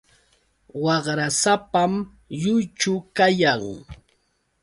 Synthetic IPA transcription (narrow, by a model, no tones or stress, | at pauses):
wɑχɾasapam | jʊjt͡ʃʊkajaŋ